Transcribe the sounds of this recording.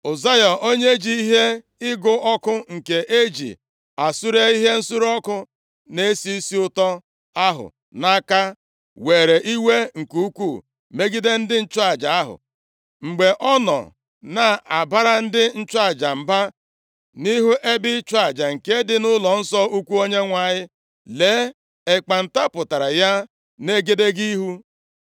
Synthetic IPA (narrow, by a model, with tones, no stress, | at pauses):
o˨za˦jɔ˨o˦ɲe˦d͡ʒi˦i˦ɦe˦ | ɪ˦ɡʊ˦ʔɔ˦kʊ˦ŋ̩˨ke˨ʔe˦d͡ʒḭ˨ | a˨su˦ɾe˦i˦ɦe˦n̩˦su˦ɾɔ˦kʊ˦ | ne˦si˦i˦si˦ʊ˦tɔ˦ | a˦ɦʊ̰˨ | na˦ka˦ | we˨ɾe˨ʔi˦we˦ŋ̩˨ku˦kʷu˦˨ | me˦ɡi˦de˦n̩˦dɪ˦n̩˦t͡ʃʊ˦a˦˨d͡ʒa˨a˦ɦʊ̰˨ | ŋ͡m̩˨ɡ͡be˨ʔɔ˦nɔ̰˨ | na˨˦a˨ba˦ɾa˦n̩˦dɪ˦n̩˦t͡ʃa˦˨d͡ʒa˨m̩˨ba˦ | ni˦ɦu˦ʔe˦bɪ˦t͡ʃwa˦˨d͡ʒa˨ŋ̩˨ke˦dɪ˦nʊ˦lɔ˨n̩˦sɔ˦u˦kʷu˦o˦ɲe˦ŋʷa˨ɲɪ˦ | leː˨˦ | e˨k͡pa˨n̩˨ta˦pʊ˨ta˨ɾa˨ja˦ | ne˦ɡe˦de˦ɡi˦ɦu˦